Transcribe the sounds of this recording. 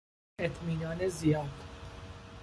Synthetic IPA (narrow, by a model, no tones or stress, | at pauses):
et̪ʰmiːnɒːnezijɒːd̪̥